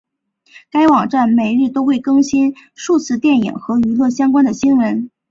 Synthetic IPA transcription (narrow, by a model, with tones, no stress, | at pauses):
ka˥ɪwɑ˨˩ŋʈ͡ʂa˥˩nme˨˩ɪɻɻ̩˥˩t̪o˥ʊxwe˥˩ɪkɤ˥ŋɕi˥nʂu˥˧t͡sʰɹ̩˥˧t̪jɛ˥˩njḭ˨˩ŋxɤ˧˥y˧˥lwɤ˥˩ɕjɑ˥ŋkwa˥nd̪ə˨ɕi˥nwə˧˥n